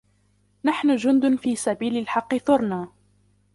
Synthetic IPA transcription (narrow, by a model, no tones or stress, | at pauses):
naħnʊd͡ʒʊnd̪ʊnfiːsabiːlɪlħɑqːɨθʊɾˤnaː